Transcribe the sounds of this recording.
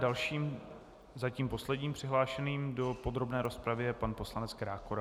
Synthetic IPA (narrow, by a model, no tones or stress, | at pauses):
dalʃiːm | zaciːmpo̞slɛdɲiːmpr̥ɪɦlaːʃɛniːmdo̞po̞d̪ɾo̞bnɛːɾo̞spɾavɪjɛpanpo̞slanɛt͡skɾaːkoɾa